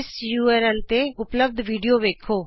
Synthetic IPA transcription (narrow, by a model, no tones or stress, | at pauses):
sjuːɛːɾɛlt̪eːʊpləb̚d̪ʋiːɖijoːʋeːkʰoː